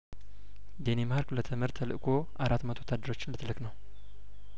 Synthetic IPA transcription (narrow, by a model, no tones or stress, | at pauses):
d̪enemaɾklət̪ʰəmɨɾt̪ʰəlɨʔkʰo̞ʔaɾat̪ːmət̪ʰowt̪ʰad̪ːəɾo̞t͡ʃːɪnlət̪ʰɨlɨknəw